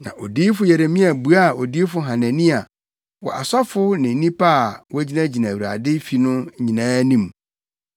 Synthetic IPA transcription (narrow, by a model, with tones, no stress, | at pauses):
nã̰˨ʔɔ˨di˦fʊ˦jɛ˨ɾe˨mĩ˦a˨bu˨a˦˨o˨diː˦fʊ˦ɦã˨næ̃˨nĩ˦a˨ | wɔ̰˨ʔa˨sa˦fʊ˦nɪ̃˨n˦nĩ˦pʰa˦˨wɔ˦æ˦d͡ʑi˦næ̃˦d͡ʑi˨næ̃˨wɾa̰˨dɪ˦fi˨nʊ̃˦ɲĩ˨nãː˦nĩ˦˨m